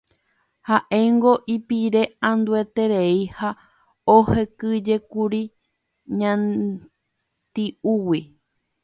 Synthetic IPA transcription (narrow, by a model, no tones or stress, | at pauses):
haʔeŋɡo̞ʔipiɾe̞ãnd̪ue̞t̪e̞ɾeiha | ohe̞kɨd͡ʒe̞kuɾi | ɲã | t̪iuwi